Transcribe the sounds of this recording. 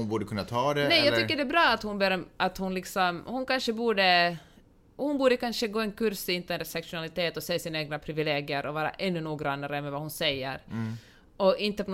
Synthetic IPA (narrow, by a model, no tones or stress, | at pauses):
ʊnbuːɖəkʰɵnːat̪ʰɑːd̪ɛnɛjjɑːɡt̪ːʏkːəɖɛbɾɑːat̪hʊnbeɾɔmʔat̪hʊnlɪksɔmhʊnkanʂəbuːɖə | hʊnbuːɖəkanʂəɡoːɛnkʰʉɾsɪnt̪əɾsɛkʂʊnalɪt̪ʰeːt̪ɔseːasɪnaeːɡnapʰɾɪvɪleːɡɪəɾʔɔvɑːɾa̰ʔɛnːɵnuːɡɾanːaɾəmɛvahʊnsɛjːə̰ɾ | ɔɪnt̪əpʰɔ